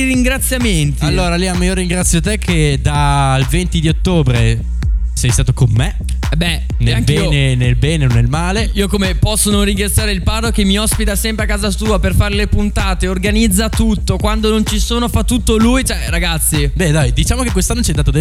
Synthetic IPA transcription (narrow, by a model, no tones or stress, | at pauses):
iɾiŋɡɾat̪sːjament̪ialːoːɾaliamːaiːoɾiŋɡɾat̪sːjot̪ekʰːed̪alvent̪id̪iot̪ːoːbɾe | sɛjst̪aːt̪okomːe | ɛbɛ | neaŋkbɛːnenelbɛːneonːelmaːleiːokomepɔsːonoɾiŋɡɾat̪sjaːɾeilparok̟emːiɔspit̪asɛmpɾeakːaːzasuːaperfaɾelepunt̪aːt̪eorɡanid̪zːat̪ut̪ːokwand̪onont͡ʃisoːnofat̪ːut̪ːoluːjt͡ʃɛɾaɡat̪sːibɛd̪ajd̪it͡ʃaːmokekːwest̪anːot͡ʃɛjd̪aːt̪od̪e